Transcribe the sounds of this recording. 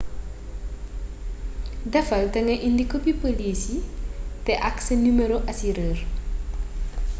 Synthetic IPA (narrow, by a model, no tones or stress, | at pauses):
dɐfɐltɐŋɐʔindikopipolisitɛʔaksɐnumeɾoʔɐsiɾər